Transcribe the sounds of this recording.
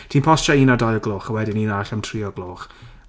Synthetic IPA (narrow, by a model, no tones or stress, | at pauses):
tʰiːnpʰɔsʃaiːnadajlɡlˠoːχəwɛdɪniːnaɬəmtʰriːɔɡlˠoːχ